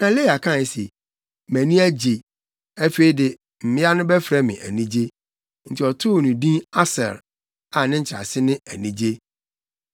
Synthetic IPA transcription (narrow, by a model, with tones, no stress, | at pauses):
nã˨le˦˨a˨kʰã˦˨je˨se˨ | mɛ̃˨nĩ˦æ˦d͡ʑe˨ | æ˦fe˦i˦dɪ˨ | m̩˨mɪ̃˦a˦nʊ̃˦bɛ˦fɾɛ˦mɪ̰̃˨ʔæ̰˨nĩ˦d͡ʑe˦ | n̩˨tʰɪ˨ɔ˨tʰʊ˦˨nũ˨dĩ˦a˦sɛ̰˨l | a˨nɪ̃˦ɲ̩˨t͡ɕʰɪ˨ɾa̰˨sɪ˦nɪ̃˦æ˨nĩ˦d͡ʑe˦